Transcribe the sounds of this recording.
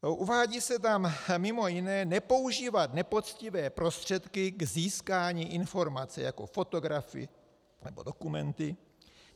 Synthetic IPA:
ʔuvaːɟiːsɛt̪̬ammɪmo̞jɪnɛːnɛpo̞uʒiːvat̪nɛpo̞t͡scɪvɛːpɾo̞st̪r̝̥ɛt̪kɪɡziːskaːɲiːʔɪnfo̞ɾmat͡sɛ̰ja̰ko̞̰fo̞t̪o̞ɡɾafɪ̰ | nɛbo̞do̞kumɛnt̪ɪ

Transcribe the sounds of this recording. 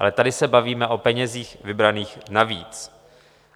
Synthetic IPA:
ʔa̰lɛt̪adɪsɛbaviːmɛʔo̞pɛɲɛziːxvɪbɾaniːxnavḭːt͡s

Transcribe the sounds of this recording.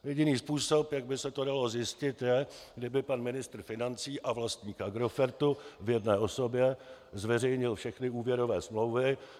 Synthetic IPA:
jɛɟɪniːspuːso̞pjaɡ̚bɪsɛt̪odalo̞zjɪscɪt̪jɛɡdɪbɪpanmɪnɪst̪r̩fɪnant͡siːʔavlast̪ɲiːkaɡɾo̞fɛɾt̪uvjɛdnɛːo̞so̞bjɛzvɛrɛjɲɪlfʃɛxnɪuːvjɛɾo̞vɛːsmlo̞wvɪ

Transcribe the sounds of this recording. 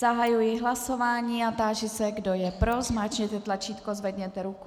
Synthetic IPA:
zaɦajujɪɦlaso̞vaːɲiːat̪aːʒɪsɛɡdo̞jɛpɾo̞zmaːt͡ʃɲɛt̪ɛt̪lat͡ʃiːt̪kozvɛd̪ɲɛt̪ɛɾuku

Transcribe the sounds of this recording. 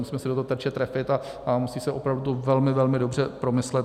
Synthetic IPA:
musiːmɛsɪdot̪oɦot̪ɛt͡ʃɛt̪ɾɛfɪt̪a | ʔamusiːsɛʔopɾavdut̪uvɛlmɪvɛlmɪdo̞br̝ɛpɾo̞mɪslɛt̪

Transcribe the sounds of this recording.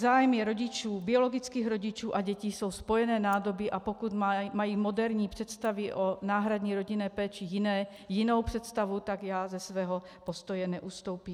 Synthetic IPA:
zaːjmjɛɾoɟit͡ʃuːbioloɡit͡skiːɣɾoɟit͡ʃuːʔaɟɛciso̞wspojɛnɛːnaːdobiʔapokud̪majiːmod̪ɛɾɲiːpr̥ɛt̪st̪aviʔonaːɦɾad̪ɲiːɾoɟinɛːpɛːt͡ʃijɪnɛː | jinowpr̥ɛt̪st̪avut̪aɡjaːzɛsvɛːɦɔ | post̪ojɛnɛʔust̪owpiː

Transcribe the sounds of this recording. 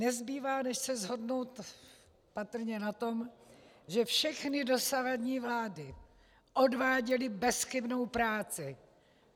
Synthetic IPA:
nɛzbiːvaːnɛʃsɛzɦo̞dno̞wt̪ | pat̪r̩ɲɛnat̪o̞m | ʒɛfʃɛxnɪdo̞savadɲiːvlaːdɪ | ʔodvaːɟɛlɪbɛsxɪbno̞wpɾaːt͡sɪ

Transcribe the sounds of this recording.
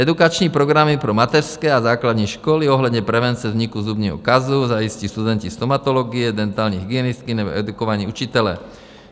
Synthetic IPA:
ɛd̪ukat͡ʃɲiːpɾɔɡɾamipɾɔmat̪ɛɾskɛːazaːklad̪ɲiʃkɔliɔɦlad̪ɲɛpɾɛʋɛnt͡siɛzɲikuzubɲɛɦɔ̰kazuzaiscist̪ud̪ɛncist̪ɔmat̪ɔlɔɡiɛd̪ɛnt̪aːlɲiɦiɡɪɛnist̪̚kinɛbɔ̰ɛd̪ukɔʋaɲiːut͡ʃit̪ɛlɛ̰

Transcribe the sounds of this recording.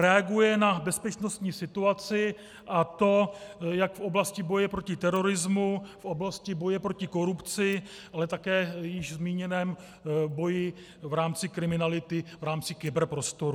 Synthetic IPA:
ɾɛaɡujɛnabɛspɛt͡ʃnost̪ɲiːsɪt̪uat͡sɪ | ʔat̪o̞jakfʔo̞blascɪbo̞jɛpɾocɪt̪ɛɾo̞ɾɪzmufʔo̞blascɪbo̞jɛpɾo̞cɪko̞ɾupt͡sɪ | ʔalɛt̪akɛːjɪʒzmiːɲɛnɛːm | bo̞jɪ | vɾaːmt͡sɪkɾɪmɪnalɪt̪ɪvɾaːmt͡sɪkɪbɛɾpɾo̞st̪o̞ɾu

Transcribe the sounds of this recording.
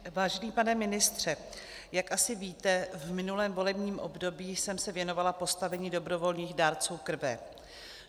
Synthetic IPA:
vaːʒɛniːpanɛmɪnɪst̪r̝̥ɛ | jakʔasɪviːt̪ɛvmɪnulɛːmvo̞lɛbɲiːmʔo̞bdo̞biːsɛmsɛvjɛno̞valapo̞st̪avɛɲiːdo̞bɾo̞vo̞lɲiːxdaːɾt͡suːkr̩vɛ

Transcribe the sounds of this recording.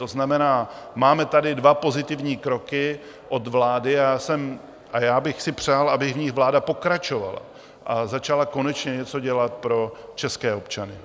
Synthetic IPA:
t̪oznamɛnaːmaːmɛt̪adɪdvapo̞zɪt̪ɪvɲiːkɾo̞kɪ | ʔo̞d̪vlaːdɪaːsɛm | ʔajaːbɪxsɪpr̝̥aːlʔabɪɣvɲɪɣvlaːdapo̞kɾat͡ʃo̞va̰la̰ | ʔazat͡ʃalako̞nɛt͡ʃɲɛɲɛt͡so̞ɟɛlat̪̚pɾo̞t͡ʃɛskɛːo̞pt͡ʃanɪ

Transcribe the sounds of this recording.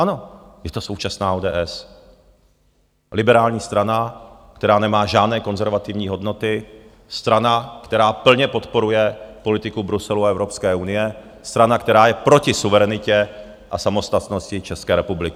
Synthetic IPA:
ʔano̞jɛt̪o̞so̞wt͡ʃasnaːʔoːdɛːʔɛs | lɪbɛɾaːlɲiːst̪ɾanakt̪ɛɾaːnɛmaːʒaːdnɛːko̞nzɛɾvat̪ɪvɲiːɦo̞dno̞t̪ɪ | st̪ɾanakt̪ɛɾaːpl̩ɲɛpo̞t̪po̞ɾujɛpo̞lɪt̪ɪkubɾusɛluaɛvɾo̞pskɛːunɪjɛ | st̪ɾanakt̪ɛɾaːjɛpɾo̞cɪsuvɛɾɛnɪcɛ | ʔasamo̞st̪at̪no̞scɪt͡ʃɛskɛːɾɛpublɪkɪ

